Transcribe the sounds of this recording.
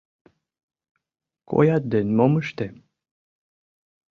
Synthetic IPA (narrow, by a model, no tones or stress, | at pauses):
kʰʼo̰jat̪̚d̪enmomɨʃt̪e